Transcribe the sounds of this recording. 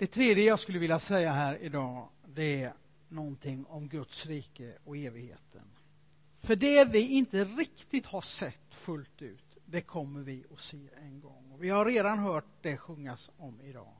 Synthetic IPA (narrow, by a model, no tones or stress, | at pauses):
d̪̥ɛt̪ʰɾeːd̪jəjɑːɡskɵlːəvɪljasɛjːaɦæːɾɪd̪ɑː | d̪ɛæ | nɔnt̪ʰɪŋːɔmɡɵt̪sɾiːkəɔkeːvɪɡhḛːt̪ʰə̰n | fœɖɛvɪɪnt̪əɾɪkt̪ɪt̪haʂɛt̪ːfɵlt̪ʉ̟ːt̪d̪ɛkʰɔmːəɾvɪɔseːɛnɡɔŋːɔvɪhaɾeːd̪anɦœːʈ̚d̪ɛɧɵŋːasɔmɪd̪ɑ̰ː